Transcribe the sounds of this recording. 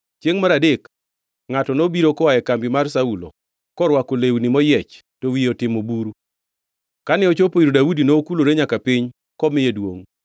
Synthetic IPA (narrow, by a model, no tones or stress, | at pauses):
t͡ʃjeŋmaɾadek | ŋatɔnobiɾokɔwajɛkambimarsaulo̰ | kɔɾwakolewnimɔjɛt͡ʃ | towijotɪmobuɾu | kanɪɔt͡ʃopoiɾodawudinoːkuloɾeɲakapɪɲ | kɔmɪjedwo̰ŋ